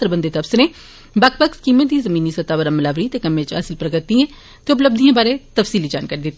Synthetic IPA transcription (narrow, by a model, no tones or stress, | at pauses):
t̪əɾəbənd̪eːt̪əfsɾẽː | bəkʰpəkskiːmə̃t̪d̪iːzəmiːniːsət̪aːʋəɾaməlaːʋɾiːt̪eːkəmẽt͡ʃa̰ːsɪlpɾəɡət̪ːiɛ̃ː | t̪eːʊp̬ləb̚d̪ijãːbaːɾẽːt̪əfsiːliːd͡ʒaːnkaːɾiːd̪ɪt̪ːi